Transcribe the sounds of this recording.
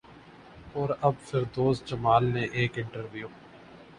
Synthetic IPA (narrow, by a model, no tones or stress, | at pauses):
ɔːɾɐbfɪɾd̪oːst͡ʃəmaːlneʔeːkɪ̃ɳʈəɾʋijoː